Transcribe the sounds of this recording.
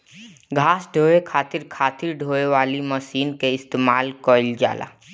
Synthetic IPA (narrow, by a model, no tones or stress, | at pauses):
ɡʱaːsɖʱoːekʰaːt̪ɪɾkʰaːt̪ɪɾɖʱoːeʋaːliməʃiːnkeɪst̪eːmaːlkɔːɪld͡ʒa̰ːla̰ː